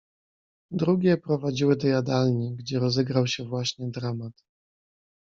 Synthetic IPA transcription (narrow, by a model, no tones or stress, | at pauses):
d̪ɾuɡʲɛpɾɔvad͡ʑiwɘd̪ɔjad̪alɲiɡd͡ʑɛɾɔzɛɡɾawɕɛvwaɕɲɛd̪ɾamat̪